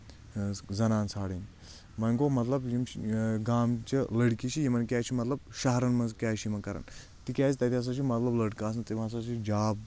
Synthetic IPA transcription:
zɐnaːnt͡sʰaːɽin | mɐŋkomɐt̪lɐbjimɡaːmt͡ʃilɐɽkit͡ʃʰijimɐnkʲaːt͡ʃʰimɐt̪lɐb̚ʃɐɦɐɾɐnmɐnzkʲaːʃʰimɐnkɐɾɐ̰n | t̪ikʲaːsʰit̪ɐt̪iɐs̬ɐt͡ʃʰimɐt̪lɐblɐɽkaːs̬ɨnt̪ɐmɐs̬ɐt͡ʃʰid͡ʒaːb

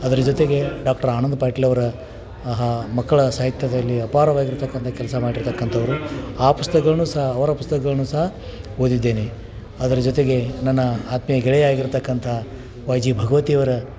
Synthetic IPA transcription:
ɐd̪ɐɾɐd͡ʒot̪e̞ɡe̞ɖaːk̚ʈɐɾaːnɐnd̪ɐpaːʈilɐʋɐɾɐ | ɦmɐkːɐɭɐsaːɦit̪jɐd̪ɐlːiɐpaːɾɐʋaːɡiɾt̪ɐkːɐnt̪ʰɐkɛlɐsɐmaːɽiɾt̪ɐkːɐnt̪ʰɐʋɐɾuaːpust̪ɐkɐɭɐnuːsɐɦɐːʋɐɾɐpust̪ɐkɐɡɐɭɐnuːsɐɦɐ | ɦoːd̪id̪ːe̞ːne | ɐd̪ɐɾɐd͡ʒot̪e̞ɡe̞nɐnːɐaːt̪mɐjɐɡɛɭɛjaːɡiɾt̪ɐkːɐnt̪ʰɐ | ʋaːjd͡ʒiːbʱɐɡɐʋɐt̪ijɐʋɐɾɐ

